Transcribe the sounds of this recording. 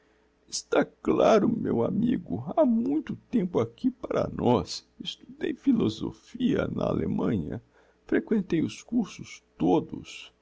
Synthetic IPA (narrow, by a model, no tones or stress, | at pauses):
ɪst̪aklaɾʊmewamiɡʊamũj̃t̪ʊt̪ẽmpʊakipaɾɐ̰nɔs | ist̪ud̪ejfilozofiɐnɐalʔemɐ̃ɲɐ | fɾekwẽnt̪ejʊskuɾsʊst̪od̪ʊs